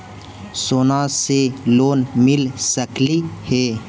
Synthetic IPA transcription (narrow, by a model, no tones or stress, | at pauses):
soːnãseloːnmɪlsəklihɛː